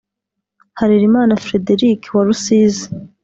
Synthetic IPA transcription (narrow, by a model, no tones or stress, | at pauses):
haɾiɾimaːnafɾe̞deɾiːkwaɾusiːzi̥